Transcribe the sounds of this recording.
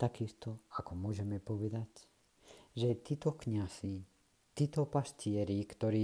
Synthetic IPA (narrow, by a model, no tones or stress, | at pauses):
t̪akist̪ɔakɔmʊɔʒɛmɛpɔʋɛd̪ac | ʒɛt̪iːt̪ɔkɲazi | t̪iːt̪ɔpascɪɛɾikt̪ɔɾiː